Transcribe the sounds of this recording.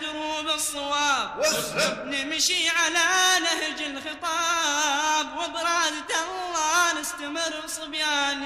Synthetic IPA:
hubɨsˤːɑwɑːb | nɪmʃiʕalanɪhd͡ʒɪlxɨt̪ˤɑ | bwʊd̪ˤɾˤɑd̪t̪alːɑnɪst̪amɪrːsˤːɨbjaːn

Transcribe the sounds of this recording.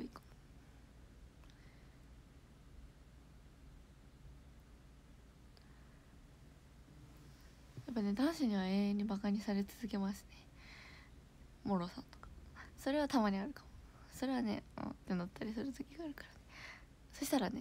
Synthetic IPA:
oikḁmo | japːane̞d̪ãɰ̃ɕiɲ̟iβaeːẽɲ̟ːibakaɲ̟isaɾe̞t͡sɨzɨk̬e̞maɕɨ̥ne | mo̞ɾo̞sã̰nt̪o̥kḁso̞ɾe̞β̞at̪amaɲ̟iaɾɯ̟kḁmoso̞ɾe̞β̞ane̞̰õ̰t̪ːenot̪ʰːaɾʲisɨɾɯ̟t̪ɨkʲiɡaːɾɯ̟kḁɾane | so̞ɕi̥t̪aɾane̞

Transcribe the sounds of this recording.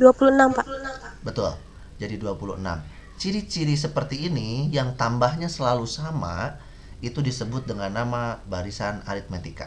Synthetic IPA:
duapuluənampaʔbət̪ʊ̰l | d͡ʒadiduapulṵəna̰m | t͡ʃiɾit͡ʃiɾis̬əpərt̪iːnijaŋt̪ambahɲasəlalusama̰ | it̪udisəbʊt̪̚dəŋanːamabaɾisana̰ɾit̪̚met̪ika̰

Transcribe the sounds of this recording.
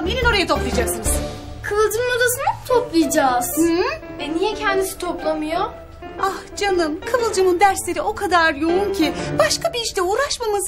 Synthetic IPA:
mjenino̞ɾajat̪ʰo̞plˠijad͡ʒaksɯnɯz | kʰɯvɯlˠd͡ʒɯnunod̪asɯnat̪ʰoplˠijd͡ʒaz | ɛnijɛcʰɛnd̪isi̥t̪ʰoplˠamɯjo | ahd͡ʒanɯmkʰɯvɯlˠd͡ʒɯnund̪æɾslʲe̞ɾiʔo̞kʰad̪aɾjo̞uncʰibaʃkabiːʃt̪ʰɛuːɾaʃmamɯz

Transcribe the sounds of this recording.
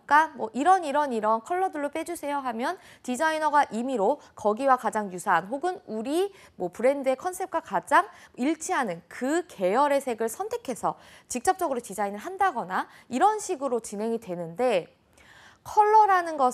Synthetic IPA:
k͈amwʌʔiɾʌniɾʌniɾʌnkʰʌɭːʌdɯɭːop͈ed͡ʑusʰe̞joɦamjʌntid͡ʑainʌɡaʔimiɾokʌɡiwakad͡ʑaŋjusʰaɦanɦoɡɯnuɾi | mwʌpɯɾe̞ndɯe̞kʰʌnsʰe̞p̚k͈wakad͡ʑaŋiɭt͡ɕʰiɦanɯnkɯke̞jʌɾe̞sʰe̞ɡɯɭsʰʌntʰe̞kʰe̞sʰʌt͡ɕik̚t͡ɕ͈ʌp̚t͡ɕ͈ʌɡɯɾotid͡ʑainɯɭɦandaɡʌna | iɾʌnɕʰiɡɯɾot͡ɕinɦe̞ŋidwe̞nɯnde̞ | kʰʌɭːʌɾanɯnɡʌ

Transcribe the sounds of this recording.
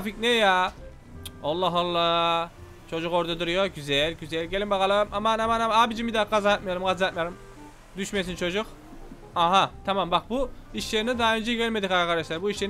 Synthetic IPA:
ficneja | olˠːaɦalˠːa | t͡ʃʰo̞d͡ʒukoɾd̪ad̪ɯɾujoɟyzɛlʲɟyzɛlʲɟelʲimbakalˠɯmamanamanamabid͡ʒimbid̪aɡazaat̪majoɾumɡazaat̪majoɾum | d̪yʃmesint͡ʃʰo̞d͡ʒuk | aɦat̪ʰamambak̚buiʃlʲeɾinid̪aɦaø̞nd͡ʒɛɟælʲmed̪ikaakʰaɾd̪eʃlˠaɾbuiʃlʲe

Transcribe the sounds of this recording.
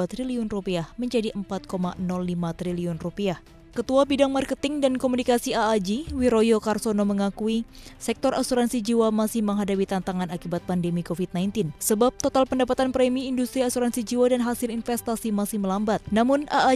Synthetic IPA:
at̪ɾiliɔnrupiahməɲd͡ʒadiʔəmpat̪̚koma̰nɔlːimat̪ɾiliɔnrupiah | kət̪uabidaŋmarkət̪ɪŋdankomunikasiaːd͡ʒiwiɾojokarsonoməŋakuisɛk̚t̪ɔrʔasuɾansid͡ʒiwamasɪhməŋɦadapit̪ant̪aŋanakibat̪̚pandemikofit̚najnt̪ɪnsəbap̚t̪ot̪alpəndapat̪anpɾɛmiːndust̪ɾiasuɾansid͡ʒiwadanɦasɪlinfɛst̪asimasɪhməlambat̪̚namunaː

